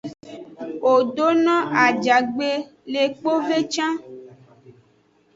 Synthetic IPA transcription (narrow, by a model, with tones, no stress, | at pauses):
o˨ɖo˦nɔ̃˦ʔa˨d͡ʒa˨ɡ͡be˦ | le˨k͡po˦ve˦t͡ʃã˦